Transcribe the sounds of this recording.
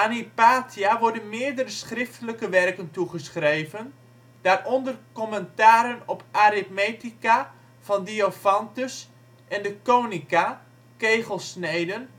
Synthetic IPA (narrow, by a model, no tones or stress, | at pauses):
anipaːtʰiaʋɔɹdənmɪːədəɾəsχrɪftələkəʋɛrkəntuχəsχrejvən | d̥aːrʔɔndərkɔməntaːɾənɔpaɾɪt̚metika | v̥ɑndiofɑntəs | ʔɛndəkoːnika | kejχəlˠsnejdən